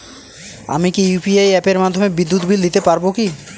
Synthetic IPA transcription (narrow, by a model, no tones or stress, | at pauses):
a̰mikijupiajɛpeɾmad̪ʱːomebid̪ːut̪bild̪it̪epaɾboki